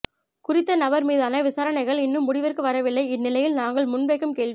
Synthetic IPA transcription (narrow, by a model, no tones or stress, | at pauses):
kʊɾɪt̪ːɐnɐbɐɾmiːðaːnɐʋɪsaːɾɐnɐɪɣɐɭɪnːɯmːʊɽɪʋɐrkɯʋɐɾɐʋɪlːɐɪɪnːɪlɐjɪlnaːŋɡɐɭmʊnbeːkːɯmkeːɭ